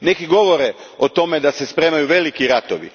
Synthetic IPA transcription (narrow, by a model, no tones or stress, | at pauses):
ne̞kiɡo̞ʋo̞ɾe | ot̪o̞me̞d̪asespɾe̞ːmajuʋe̞likiɾat̪oʋḭ